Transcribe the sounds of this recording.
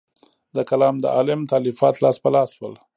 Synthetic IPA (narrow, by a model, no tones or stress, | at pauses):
d̪əkalɑːmd̪ə̰ɑlɪmt̪ɑlifɑːt̪lɑːspəlɑːswə̰l